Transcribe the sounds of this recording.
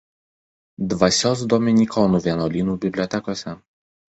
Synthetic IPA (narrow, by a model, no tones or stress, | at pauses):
d̪ʋɐsʲoːs̬d̪oːmʲɪnʲiːkʰɔːnuːʋʲiɛnoːlʲiːnuːbʲɪbʲlʲɔːt̪ʲɛkoːsʲɛ